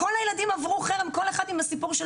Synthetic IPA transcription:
kolhajelad̪imavʁuaχeʁamko̞le̞χad̪imasipuʁʃe

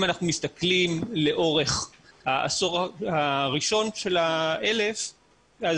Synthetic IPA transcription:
manaχnumist̪aklimle̞ʔo̞ʁeχ | haʔa̰soʁahaʁiʃo̞nʃe̞laele̞f | az

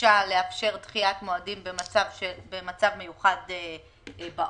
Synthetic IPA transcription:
ale̞afʃe̞ʁt̪χiatmoadimbemat͡savʃebemat͡savme̞juχade | ba

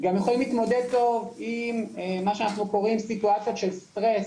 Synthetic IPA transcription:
ɡamjeχo̞limliːt̪mo̞d̪ed̪̚t̪o̞vimemaʃeanaχnuko̞ʁimsituat͡sjoʃelst̪ʁes

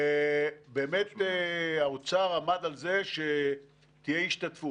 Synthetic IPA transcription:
beːmet̪ | aot͡saʁamad̪alze̞ʃe | t̪ijeiʃt̪at̪fu

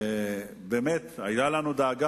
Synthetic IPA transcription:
beːmet̪ajt̪alanud̪aːɡa

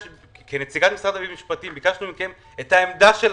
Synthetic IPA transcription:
kenet͡siɡat̪misʁad̪abimiʃpat̪imbikaʃnubimkem | et̪haemd̪aʃel

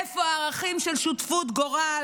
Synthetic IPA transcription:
efoaːʁaχimʃelʃut̪fut̪ɡoʁa

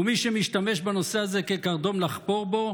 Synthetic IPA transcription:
umiʃemiʃt̪ame̞ʃbano̞seazekekaʁd̪o̞mlaχpo̞ʁbo̞

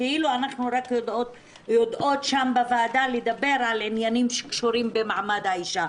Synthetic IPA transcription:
keʔiluanaχnuɾakjod̪ot | jod̪ʔo̞t̪ʃambevaːd̪aled̪abe̞ɾʕalʕinjanimʃekʃuɾimbemaʕmad̪haiʃa

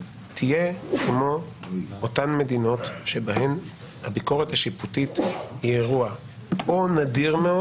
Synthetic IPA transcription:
tʰijekmo̞otanme̞dino̞tʃe̞baɦe̞m | habiko̞ʁethaʃiputitieʁua | onadiʁmeo

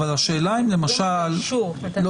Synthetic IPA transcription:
valaʃeːlaimle̞maʃalːo

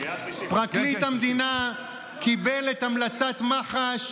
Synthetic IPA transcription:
pʁaklit̪hamd̪ina | kibelet̪amlat͡sat̪maχaʃ

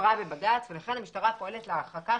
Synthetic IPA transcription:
ʁabebadaːt͡sve̞laχe̞nhamiʃtaʁapo̞e̞let̪leaχaka

